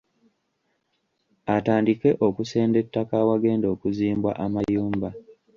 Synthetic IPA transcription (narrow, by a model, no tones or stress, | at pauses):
ataːndike̞ʔo̞kuse̞ːnde̞tːakaːwaɡe̞ːndo̞ːkuziːmbwa̰ʔamajuːmba